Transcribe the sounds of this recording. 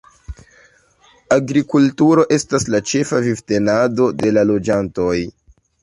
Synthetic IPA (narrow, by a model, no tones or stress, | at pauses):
aɡɾikultuɾo̞ʔe̞staslat͡ʃe̞favivte̞nado̞de̞lalo̞d͡ʒanto̞j